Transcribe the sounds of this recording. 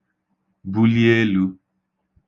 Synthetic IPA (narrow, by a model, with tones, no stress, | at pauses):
bu˦li˦e˦lu˦